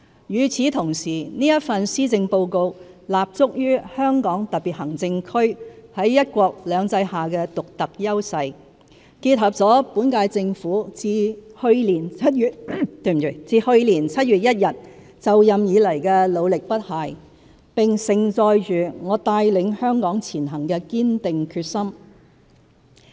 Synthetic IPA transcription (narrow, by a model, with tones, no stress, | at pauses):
jyː˨˩t͡sʰiː˨˥t̪ʰʊ˨˩ŋsiː˨˩niː˥jɐ˥t̚fɐ˧nsiː˥t͡sɪ˧ŋpo˧wko˧w | laː˨p̚t͡sʊ˥k̚jyː˥hœː˥ŋkɔː˨˥ŋt̪ɐ˨t̚piː˨t̚hɐ˨˩ŋt͡sɪ˧ŋkʰɵ˥ɥhɐ˨˥jjɐ˥t̚kʷɔː˧k̚lœː˨˧ŋt͡sɐ˧jhaː˨˩kɛː˧t̪ʊ˨k̚t̪ɐ˨k̚jɐ˥wsɐ˧j | kiː˧t̚hɐ˨p̚t͡sɔː˨˥puː˨˥nkaː˧jt͡sɪ˧ŋfuː˨˥t͡siː˧hɵ˧ɥliː˨˩nt͡sʰɐ˥t̚yː˨t̚t̪ɵ˧m˨y˨˧˩t͡siː˧hɵ˧ɥliː˨˩nt͡sʰɐ˥t̚ɥyː˨t̚jɐ˥t̚jɐ˨˩t̚ | t͡sɐ˨wjɐ˨mjiː˨˧lɐ˨˩jkɛː˧lo˨˧wlɪ˨k̚pɐ˥t̚haː˨˩j | pɪ˨˩ŋsɪ˨˩ŋt͡sɔː˧jt͡ʃyː˨ŋɔː˨˧t̪aː˧jlɪ˨˧ŋhœː˥ŋkɔː˨˥ŋt͡sʰiː˨˩nɦɐ˨˩ŋkɛ˧kiː˥nt̪ɪ˨ŋkʰyː˧t̚sɐ˥m